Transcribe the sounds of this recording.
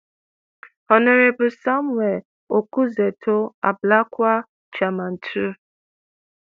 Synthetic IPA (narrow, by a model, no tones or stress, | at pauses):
ɔnɔɾebʊsamwɛ | okuzetʰoa̰blakʷa | t͡ʃaman̩tʰu